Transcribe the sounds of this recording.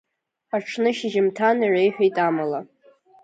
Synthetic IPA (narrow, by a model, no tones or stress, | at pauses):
aʈ͡ʂʰnɨʃɪʒɪmtʰanaʕʷajħʷᶣejtʼamala